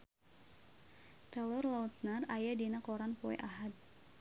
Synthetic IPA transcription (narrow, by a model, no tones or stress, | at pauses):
t̪ɛlɔrlaut̪̚narajadinakɔɾanpoɛ̰ʔaɦad̪̚